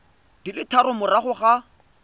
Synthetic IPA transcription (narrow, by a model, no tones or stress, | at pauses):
d̥ilɪtʰaɾʊmʊraχʊχa